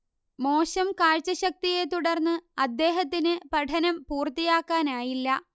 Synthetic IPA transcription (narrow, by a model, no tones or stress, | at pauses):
mo̞ːɕɐmkaːɻt͡ɕːɐɕɐk̚t̪ije̞t̪uɽɐrnːɨɐd̪ːe̞ːɦɐt̪̬ːinɨpɐʈʰɐnɐmpuːrt̪ijaːkːaːnaːjilːɐ